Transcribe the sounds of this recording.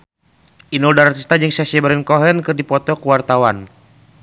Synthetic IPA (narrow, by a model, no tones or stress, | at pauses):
inuldaɾat̪ist̪ad͡ʒɨŋsasɛbəɾɛnkɔɦɛnkɨrdipɔt̪ɔkuwart̪awan